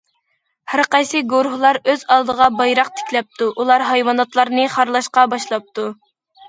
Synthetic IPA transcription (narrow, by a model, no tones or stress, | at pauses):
hæɾqɑjsɨɡoɾɦulˠɑɾøzɑlˠd̪əʁɑbɑjɾɑq̚t̪ʰɪ̥kʲlɛp̚t̪uʔulˠɑɾɦɑjwɑnɑt̪lˠɑɾnɨχɑɾlˠɑʃqɑbɑʃlˠɑp̚t̪u